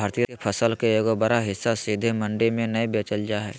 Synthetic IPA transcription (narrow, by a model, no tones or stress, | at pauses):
aːɾt̪ijkepʰəsəlkeeːkobɐɾaɦɪsːasid̪ʱemɐ̃ɳɖemẽnɐibeːt͡ʃəld͡ʒaːɦɛː